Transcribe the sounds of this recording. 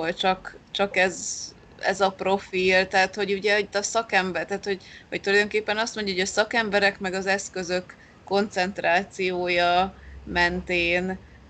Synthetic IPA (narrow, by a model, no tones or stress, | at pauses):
olt͡ʃɒkt͡ʃɒkɛz | ɛ̰zɒpro̞fiːlt̪ɛːt̪ho̞ɟuɟɛit̪ːɒsɒkɛmbɛrt̪aːt̪ho̞ɟhoc̚t̪ulɒjd̪o̞ŋkeːpːɛnɒst̪mo̞ɲɟɒɦoɟɒsɒkɛmbɛɾɛkmɛɡɒzɛskø̞zø̞kː | o̞nt̪sɛnt̪raːt̪sijoːjɒmɛnt̪eːn